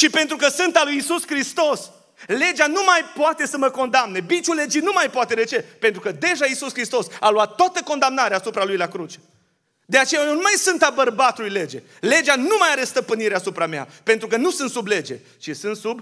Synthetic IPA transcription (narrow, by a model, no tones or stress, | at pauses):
t͡ʃipe̞nt̪ɾukəsɨnt̪alujisuskɾist̪o̞s | le̞d͡ʒanumajpoat̪e̞səməko̞nd̪amne̞bit͡ʃule̞d͡ʒinumajpoat̪e̞d̪e̞t͡ʃe̞pent̪ɾukəd̪e̞ʒaisuskɾist̪o̞saloat̪ːoat̪əko̞nd̪amnaɾeasupɾalujlakɾut͡ʃe̥ | d̪e̞at͡ʃe̞jajewnumajsɨnt̪abərbat̪ulujle̞d͡ʒe̞̰ | le̞d͡ʒanumajaɾest̪əpɨniɾeasupɾamea̰pent̪ɾukənusɨnt̪suble̞d͡ʒe̞̰ | t͡ʃisɨnt̪sub